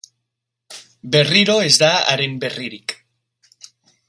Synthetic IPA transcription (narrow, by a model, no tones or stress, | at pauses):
beriɾoezd̪aa̰ɾemberiɾik